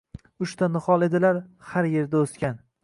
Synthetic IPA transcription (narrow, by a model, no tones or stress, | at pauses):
ʊʃt̪ʰanɨχɒlˠe̞d̪ɪlaɾhaɾje̞ɾd̪aoskʲan